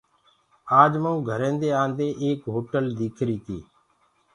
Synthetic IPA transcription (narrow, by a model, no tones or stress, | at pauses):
aːd͡ʒməũːɡʱəɾẽːnd̪eːãːnd̪eːʔeːkɦoːʈəld̪iːkʰɾiːt̪ʰḭː